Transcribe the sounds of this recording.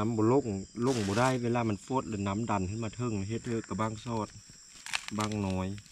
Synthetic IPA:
a˨˥mbɔː˨lo˧˨ŋlo˧˩˨ŋbɔː˨da˧˥˨jʋeː˧laː˧˨ma˧˥˨nfo˧˦t̪̚lɛ˧˨na˨˦˥mda˨˩˨ntɯ˧˥˦maː˧t̪ʰɤ˧˩˨ŋ˧ɦe˧˦t̪̚hʰɤː˧˨ka˧˩baː˧˥˨ŋsɔː˧˩t̪̚ | baː˧˥˩ŋnɔː˨˦j

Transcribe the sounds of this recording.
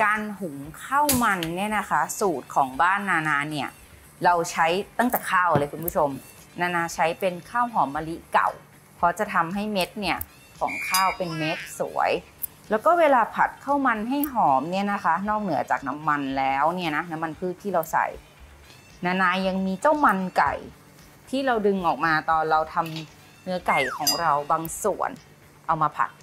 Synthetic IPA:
kaː˧nɦu˨˩˦ŋkʰa˥˩wma˧nːi˥˩˨na˦˥kʰa˦˥suː˨˩t̪̚kʰɔː˩˦ŋbaː˥˩nːaː˧naː˧ni˦˥˩ɐ | ɾa˧wt͡ɕʰa˦˥jt̪a˥˩ŋt̪ɛː˨˩kʰaː˥˩wlɤː˧jkʰu˧nmpʰu˥˩t͡ɕʰo˧m | naː˧naː˧t͡ɕʰa˦˥jpe˧nkʰaː˥˩wɦɔː˨˩˦mːaː˧li˦˥ʔka̰˨˩w | pʰɔː˧t͡ɕa˨˩t̪ʰa˧mɦa˥˩jme˦˥t̪̚ni˦˥˩ɐ | kʰɔ̰ː˩˦ŋkʰaː˥˩wpe˧nme˦˥t̪̚sṵ˩˦ɐj | lɛː˦˥wkɔː˥˩weː˧laː˧pʰa˨˩t̪̚kʰa˥˩wma˧nɦa˥˩jɦɔː˩˦mni˥˩na˦˥kʰa˦˥nɔː˥˩k̚nɯ˩˦ɐt͡ɕaː˨˩k̚na˦˥mːa˧nlɛː˦˥wni˥˩ɐna˦˥na˦˥mːa˧npʰɯː˥˩t̪ʰːiː˥˩ɾa˧wsa̰˨˩j | naː˧naː˧ja˧ŋmiː˧t͡ɕa˥˩wma˧nka̰˨˩j | t̪ʰiː˥˩ɾa˧wdɯ˧ŋʔɔː˨˩k̚maː˧t̪ɔː˧nɾa˧wt̪ʰa˧m | nɯ˦˥ɐka˨˩jkʰɔː˩˦ŋɾa˧wbaː˧ŋsu˨˩ən | ʔa˧wmaː˧pʰa̰˨˩t̪̚

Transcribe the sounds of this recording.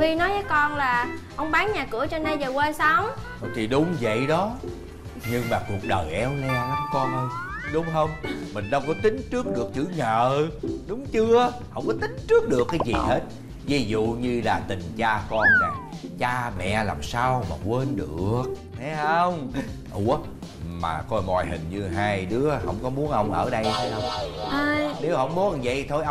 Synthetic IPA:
vi˧nɔ˨˦jvəː˨˦jkɔ˧nlaː˨˩ʔə˧wŋ͡mɓaː˨˦ŋɲaː˨˩kɨ˧˩ət͡ɕɔ˧nːa˧jzəː˨˩kweː˧jsaː˧w | t̪ʰi˨˩ɗʊ˨˦ŋ͡mvə̰˧˨jɗɔ˨˦ | ɲɨ˧ŋmaː˨˩ku˨˩ək̚ɗəː˨˩jʔɛ˨˦wlɛ˧la˨˦ŋ͡mkɔ˧nhjɗʊ˨˦ŋ͡mɦə˧wŋ͡mmï˨˩ŋ̟ɗə˧wŋ͡mkɔ˨˦t̪ï˨˦ŋ̟t͡ɕɨ˦˥ək̚ɗɨ˨˩ək̚t͡ɕɨ̰˧˩˦ŋəː˧˨ɗʊ˨˦ŋ͡mt͡ɕɨ˧ə | hə˧wŋ͡mkɔ˨˦t̪ï˨˦ŋ̟t͡ɕɨ˦˥ək̚ɗɨ˨˩əkːaː˨˦jzi˨˩he˦˥t̚ | vi˨˦zṵ˧˨ɲɨ˧laː˨˩t̪ï˨˩ŋ̟t͡ɕaː˧kɔ˧nnaː˨˩jt͡ɕaː˧mɛ̰˧˨la̰ː˨˩msaː˧wma̰ː˨˩kwe˧nɗɨ˨˩əək̚ | h̪ʰɛ˨˦hə˧wŋ͡m | ʔu˧˩˦ | ma̰ː˨˩kɔ˧jmɔ̰˨˩jɦï˨˩ŋ̟ɲɨ˧ɦaː˧jɗɨ˨˦əhə̰˧˥wŋ͡mkɔ˨˦mu˨˦ənʔə˧wŋ͡mʔəː˧˩ɗə˧jt̪ʰe˨˦jʔə˧wŋ͡mhə˧jne˨˦whə̰˧˥wŋ͡mmu˨˦ə˦ʔə˧wŋ͡mzə̰˧˨jt̪ʰo˧jʔ

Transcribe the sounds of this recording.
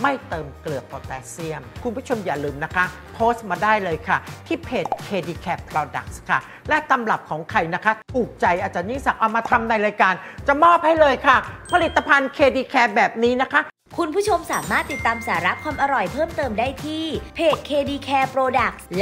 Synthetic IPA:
ma˥˩jt̪ɤː˧mklɯ˨˩əpːoː˧t̪ɛː˦˥si˥˩əmkʰu˧npu˥˩t͡ɕʰo˧mjaː˨˩lɯː˧mna˦˥kʰa˦˥ | pʰoː˦˥st̪̚maː˧daː˥˩jlɤː˧jkʰa˥˩t̪ʰiː˥˩pʰeː˨˩t̪̚kʰeː˧diː˧kʰɛː˦˥pʰːɾɔː˧da˨˩k̚skʰa˥˩ | lɛ˦˥t̪a˧mla˨˩p̚kʰɔː˩˦ŋkʰa˧jna˦˥kʰa˦˥ʔuː˨˩k̚t͡ɕa˧jʔaː˨˩t̪̚t͡ɕa˨˩niː˥˩sa˨˩p̚ʔa˨˩maː˧t̪ʰa˧mna˧jɾaː˧jkaː˧nt͡ɕa˨˩mɔː˥˩p̚ha˥˩jlɤː˧jkʰa˥˩pʰa˧li˨˩t̪ːa˧pʰa˧nkʰeː˧diː˧kʰɛː˦˧p̚bɛː˨˩p̚niː˦˥na˦˥kʰa˦˥ | kʰu˧npʰuː˥˩t͡ɕʰo˧msaː˩˦maː˥˩t̪ːi˨˩t̪ːaː˧msaː˩˦ɾa˦˥kʰwaː˧mʔa˧ɾɔ˨˩jpʰɤː˥˩mt̪ɤː˧mdaː˥˩jt̪ʰiː˥˩pʰeː˨˩t̪̚kʰeː˧diː˧kʰɛː˧pɾoː˧da˨˩k̚l

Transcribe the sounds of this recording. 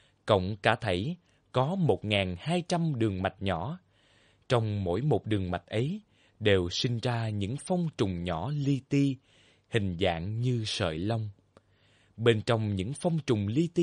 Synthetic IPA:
kə̰˧˨wŋ͡mkaː˧˩t̪ʰə˧˩j | kɔ˨˦mo˨˩t̚ŋaː˨˩nhaː˧jt͡ɕa˧mɗɨ˨˩əŋma˨˩t̚ɲɔ̰˧˩˨ | t͡ɕɔ˧wŋ͡mmo̰˧˥jmo˨˩t̚ɗɨ˨˩əŋma˨˩t̚ʔə˨˦j | ɗe˨˩wsï˧ŋ̟zaː˧ɲɨ̰˧˥ŋfɔ˧wŋ͡mt͡ɕʊ˨˩ŋ͡mɲɔ̰˧˩li˧t̪i˧ | hï˨˩ŋ̟za̰ː˧˨ŋɲɨ˧sə̰ː˧˨jlə˧wŋ͡m | ɓe˧nt͡ɕɔ˧wŋ͡mɲɨ̰˧˥ŋfɔ˧wŋ͡mt͡ɕʊ˨˩ŋ͡mli˧t̪i˧

